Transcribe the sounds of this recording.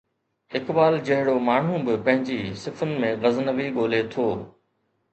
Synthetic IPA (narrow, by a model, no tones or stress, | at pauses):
ɪkbaːld͡ʑɐɦɪɽomaːɳ̤ũbɪpɐ̃ɦɪ̃ɲd͡ʑisɪfənɪ̆mẽɣɐznəʋiɠoːlet̪ʰoː